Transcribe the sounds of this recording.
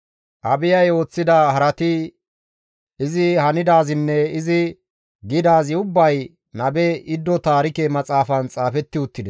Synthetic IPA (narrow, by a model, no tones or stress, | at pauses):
ʔɐbɪjɐjo̞ːt͡sːɪd̪ɐhɐɾɐt̪ɪ | ɪzɪhɐnɪd̪aːzɪnːɛɪzɪ | ɡɪd̪aːzɪʊbːɐj | nɐbɛɪd̪ːɔt̪aːɾɪkɛmɐt͡sʼaːfɐnt͡sʼaːfɛt̪ːɪʊt̪ːɪd̪ɛs